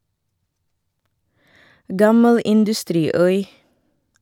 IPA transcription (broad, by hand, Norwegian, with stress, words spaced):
ˈɡɑməl ɪndʉˈstɾiːˌœʏ